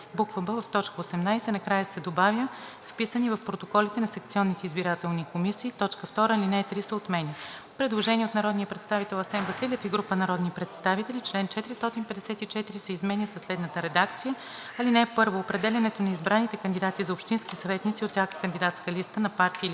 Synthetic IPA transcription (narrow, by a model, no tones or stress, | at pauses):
bukvəbəvəft̪ɔt͡ʃkəosɛmnajsɛnɐkɾajəsɛd̪obavjə | fpisənivɐfpɾot̪okɔlit̪ɛnɐsɐkt̪siɔnːit̪ɛizbiɾat̪ɛlˠnikomisiːt̪ɔt͡ʃkəft̪ɔɾəlinɛt̪ɾisəot̪mɛnʲi | pɾɛd̪lˠoʒɛnʲiɛot̪nɐɾɔd̪nijəpɾɛt̪st̪avit̪ɛlˠɐsɛnvɐsilʲɛfiɡɾupənɐɾɔd̪nipɾɛt̪st̪avit̪ɛlit͡ʃlɛnt͡ʃɛt̪iɾist̪ɔt̪inpɛd̪ɛsɛt̪it͡ʃɛt̪iɾisɛizmɛnʲisɐslɛd̪nət̪əɾɛd̪akt̪sijə | ɐlinɛpɤɾvoːpɾɛd̪ɛlʲɛnɛt̪onɐizbɾanit̪ɛkənd̪id̪at̪izɐopʃt̪inskisɐvɛt̪nit̪siot̪sʲakə̥kənd̪id̪at̪skəlist̪ənɐpaɾt̪il